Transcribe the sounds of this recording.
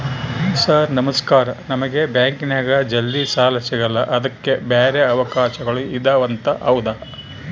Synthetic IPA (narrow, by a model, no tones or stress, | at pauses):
saːɾnɐmɐskaːɾɐnɐmɐɡe̞bjaːŋkinɛɡɐd͡ʒɐlːisaːlɐsɛɡɐlɐʔɐd̪ɐkːebeːɾeɐʋɐkaːʃɐɡɐɭuid̪ɐʋɐnt̪ɐʔɐwd̪ɐ